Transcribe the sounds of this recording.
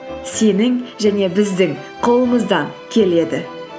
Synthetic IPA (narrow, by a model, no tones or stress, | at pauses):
se̞nɪŋʒæne̞bɪzd̪ɪŋ | qʰolˠəməzd̪ɑŋ | kʲʰe̞le̞d̪ɪ